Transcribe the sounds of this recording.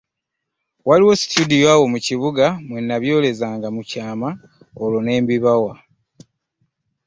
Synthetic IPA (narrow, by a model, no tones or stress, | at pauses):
waliwo̞si̥tudijoawo̞muciβuɡamwe̞nːaβjo̞ːle̞zaːŋɡamucaːma | olo̞ne̞ːmbiβawa